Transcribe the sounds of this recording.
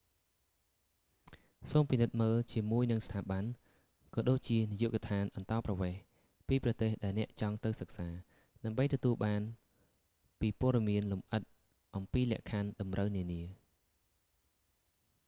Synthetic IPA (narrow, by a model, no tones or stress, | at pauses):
soːmpinɨt̪̚məːlt͡ɕiəmuəjnɨŋst̪ʰaːɓan | kɑːɗoːc̚t͡ɕiənijuːʔkɑt̪ʰaːnʔɑnt̪ɑːprɑʋeːh | piːprɑt̪eːhɗaɛlnɛ̆əʔt͡ɕɑŋt̪ɨwsək̚saː | ɗaəmɓəjt̪ɔt̪uəlɓaːn | piːpʊ̆əɗɑmiənlumʔət̪̚ | ʔɑmpiːlɛ̆əʔkʰanɗɑmrəwniəniə